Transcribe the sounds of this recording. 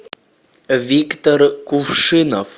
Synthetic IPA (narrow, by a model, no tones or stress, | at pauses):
vʲikt̪orkufʂɨnof